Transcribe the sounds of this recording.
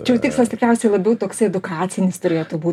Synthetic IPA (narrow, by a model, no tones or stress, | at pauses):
t͡ʃʲjɛʊt̪ʲɪkslˠɐst̪ʲɪkɾʲɛʊsʲɛɪlˠɐbʲɛʊt̪oːksɐɪɛd̪ʊkɑːt͡ssʲɪnʲɪst̪ʊɾʲeːjot̪ubuː